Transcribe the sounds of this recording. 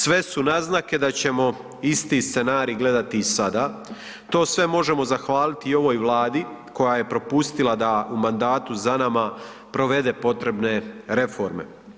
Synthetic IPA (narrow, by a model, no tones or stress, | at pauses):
sʋe̞sunaznake̞d̪at͡ɕe̞mo̞ | ist̪ist̪se̞naːɾiːɡle̞d̪at̪iːsad̪aː | t̪o̞ːsʋe̞mo̞ʒe̞mo̞zaxʋaːlit̪io̞ʋo̞ːjʋlˠaːd̪i | ko̞jaje̞pɾo̞pust̪ilˠad̪aumand̪aːt̪uzanama | pɾo̞ʋe̞d̪e̞ːpo̞t̪ɾe̞bne̞ɾe̞fo̞ɾme̞̰